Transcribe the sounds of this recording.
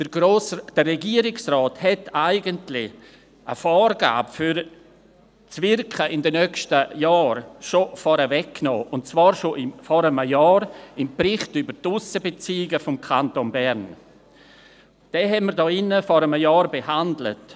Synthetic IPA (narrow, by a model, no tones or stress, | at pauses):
d̥ərɛɡiəɾɪksrɔːthɛtaɪɡəntlɪ | ʔə̰fɔːɾɡa̰ːbəfyɾ | t͡svɪrkχəʔɪndɛnœkʃtəjɑːɾʃofɔɾəvɛkːno̰ːʔʊntt͡sv̥ɑːɾʃoʔɪmfɔɾəməjɑːɾɪmpɾɪχtybəɾtʊsəbet͡siːɪɡəfʊmkʰantonbɛɾn | d̥ɛɦɛtməɾdɔːɪnːəfɔɾəməjɑːɾbehandlə̰t